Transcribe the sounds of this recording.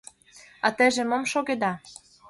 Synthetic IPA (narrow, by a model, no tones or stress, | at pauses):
ɑt̪ĕʒĕmŏmʃoɣed̪ɑ